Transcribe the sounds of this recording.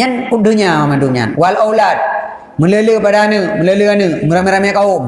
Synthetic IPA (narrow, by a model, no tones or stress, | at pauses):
ɲankudɯɲawamanduɲa̰nwalʔowlat̚ | mɨnləlɯpadanɯmɨləlɯanɯmɨɾameɾamɛkaom